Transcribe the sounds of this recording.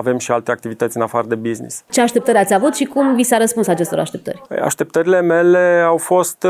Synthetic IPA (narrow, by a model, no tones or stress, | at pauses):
ave̞mʃialt̪e̞ak̚t̪ivit̪ət̪sʲɨnafaɾəd̪e̞biznḭst͡ʃe̞aʃt̪e̞pt̪əɾʲat̪sʲavut̪ʃikumvisaɾəspunsat͡ʃe̞st̪o̞ɾʔa̰ʃt̪e̞p̚t̪ə̰r̰ʲa̰ʃt̪e̞p̚t̪əɾile̞me̞le̞awfo̞st̪